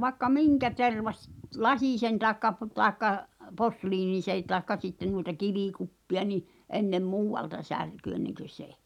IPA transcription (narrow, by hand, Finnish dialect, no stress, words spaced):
ʋɑĕkːɑ miŋkæ terʋɑsʲ lɑsʲiˑsen tɑˑekːɑ p tɑekːɑ posliːnisẽː tɑˑekːɑ sitːen nuitɑ kiʋikupːiɑ ni ʔenːem muːwˑɑltɑ særky enːeŋkø se